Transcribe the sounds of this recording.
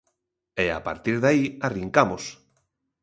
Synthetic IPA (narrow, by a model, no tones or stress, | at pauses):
ea̰pa̰ɾt̪iɾðaiariŋkamos